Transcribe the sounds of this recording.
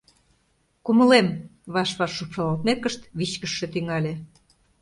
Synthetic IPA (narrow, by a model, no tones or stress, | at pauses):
kumə̆lemβɑʃβɑʃːupʃɑlɑlt̪̚mekəʃt̪βit͡ɕkəʃːĕt̪yŋɑlʲe